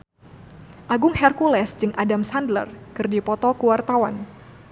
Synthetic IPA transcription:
ʔaɡʊŋhɛrkulɛsd͡ʒɨŋʔadamsandlə̰rkɨrdipɔt̪ɔkuəwart̪awan

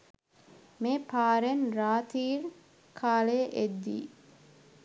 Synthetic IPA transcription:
meːpʰaːɾenraːt̪iːɾ | kʰaːlejəʔed̪ːḭː

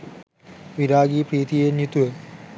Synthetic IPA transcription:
ʋiɾaːɡiːpɾiːt̪ijenut̪uʋe

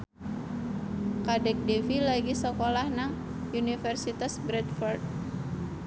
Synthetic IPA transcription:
kadɛk̚defilaɡisəkolahnaŋ | unifɛrsit̪asbɾɛt̪̚fɔrd̪̚

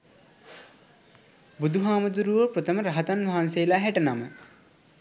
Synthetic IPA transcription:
bud̪ʱuɦaːməd̪uɾuʋəpɾot̪ʰɐməɾaɦɐt̪anʋʱaɦanseːlaɦɛʈɐnamə

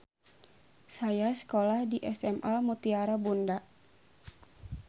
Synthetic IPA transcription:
sajasə̥kolahdiʔɛsɛmʔalmut̪iaɾabundaʔ

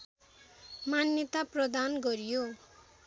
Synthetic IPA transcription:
manjʌt̪aprʌd̪anɡʌɾjo

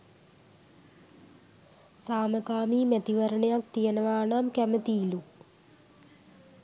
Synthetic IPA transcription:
saːməkaːmiːmet̪iʋəɾəɳejak̚t̪ijənəʋaːɳamkæmət̪iːlu

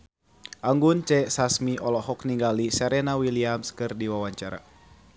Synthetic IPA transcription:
ʔaŋɡunt͡ʃɛsasmiʔɔlɔɦɔk̚niŋɡalisɛɾɛnawiliamskɨrdiwawaɲt͡ʃaɾa̰

